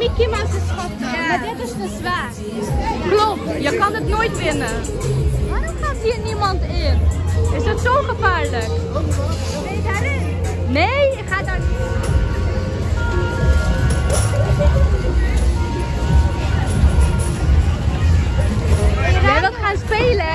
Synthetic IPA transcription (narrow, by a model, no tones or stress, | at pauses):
mikimaχəsχɔtmadɪtɪsχəzʋaːr | klopjəkɑnətnoːjtʋɪnə | ʋaːrɔmχaːtɦiːrnimɑntɪnɪsətsowχəvaːɹlək | ejdaɾɪn | nejɪkχaːda | ədɑtχaːnspejlə